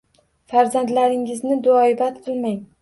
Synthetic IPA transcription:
faɾzand̪laɾɪŋɪznɪd̪ʊɒɪbat̪qʰɨlˠmaŋ

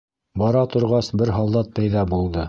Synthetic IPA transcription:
bɑɾɑt̪ŏɾʁɑsbɘɾɦɑlˠd̪ɑt̪̚pæjðɑbulˠd̪ɤ

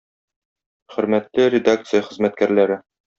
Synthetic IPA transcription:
χɵ̆ɾmæt̪lɘɾʲɪd̪ak̚t̪sɨjəχɘ̆zmæt̪̚kæɾlæɾɘ

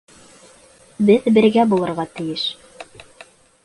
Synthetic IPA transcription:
bɘðbɘ̆ɾɡæbulˠɤ̆ɾʁɑt̪ɘ̆jɘʃ

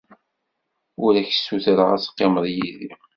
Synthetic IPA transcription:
ʊɾæçə̥sːuθɾəʁæsqːeməðˤjiði

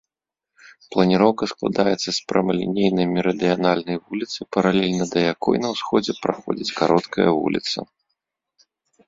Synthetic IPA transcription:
plˠɐnʲiɾɔwkɐsklˠa̰d̪ajɛt̪sːɐspɾɐmɐlʲḭnʲejnɨjmʲiɾɐd̪ɨjanalʲnɐjvulʲit̪sɨpɐɾalʲɛlʲnɐd̪ɐjakɔjnɐwsxɔd͡zʲɛpɾaxɔ̰d͡zʲit͡sʲkaɾʔɔt̪kʰɐ̰jɐ̰vṵlʲḭt̪sɐ̰

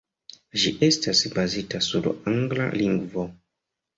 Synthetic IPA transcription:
ʒiʔe̞stasbazitasuɾaŋɡla̰liŋɡvo̞

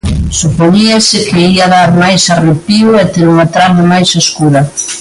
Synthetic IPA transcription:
supoɲiɐsɪkeiɐðaɾmajsarepiʊɛt̪eɾuŋat̪ɾaβɪmajseskuɾɐ

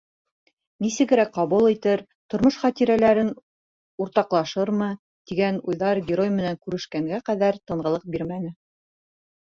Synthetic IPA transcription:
nisɘ̆ɡɘ̆ɾæk̚qɑβulˠit̪ɘɾ | t̪ŏɾmoʃχɑt̪iɾælæɾɘn | uɾt̪ɑqlˠɑʃɤɾmɤ | t̪iɡænujðɑɾɡʲɪɾojmɘ̆næŋkʉɾɘ̆ʃkæŋɡæqæðæɾt̪ɤ̆ɴɢɤ̆lˠɤq̚biɾmænɘ

